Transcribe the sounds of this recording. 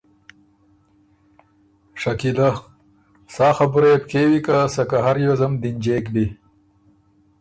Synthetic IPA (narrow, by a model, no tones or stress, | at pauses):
ʂɐkilɐ | saːxɐbuɾepkeːwikasɐkɐɦɐɾjozɐmd̪ind͡ʑeːkbi